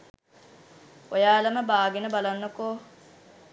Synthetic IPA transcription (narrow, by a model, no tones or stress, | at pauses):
ojaːləməbaːɡenəbalanːokoː